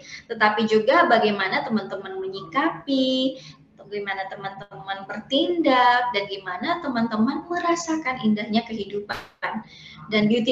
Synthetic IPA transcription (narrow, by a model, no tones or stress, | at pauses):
t̪ət̪apid͡ʒuɡabaɡajmanat̪əmant̪əmanməɲikapi | ɡajmanat̪əmant̪əmanbərt̪indak̚danɡimanat̪əmant̪əmanməɾasakanindahɲakəɦidup | n | danbiut̪i